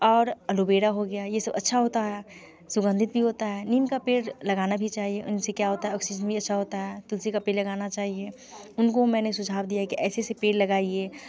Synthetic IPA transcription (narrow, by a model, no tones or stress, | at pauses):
ɔːɾɐlobeːɽaɦoɡɐjajesɐbɐ̰tːʃʰaɦoːt̪aɦɛː | sʊɡə̃nd̪ʱɪt̪̚bʱiɦoːt̪aɦɛːniːnkapeːɽlɐɡaːnabʱit͡ʃaːɦieʔʊ̰nsekjaɦoːt̪aɦɛɔːksid͡ʒənbʱiɐtːʃʰaɦoːt̪aɦɛːt̪ʊlsikapeːɾlɐɡaːnat͡ʃaːɦie | ʊnkomɛ̃ːnesʊd͡ʒʱaːbd̪ijaɦɛkiʔɛːsesepeːɾlɐɡaːie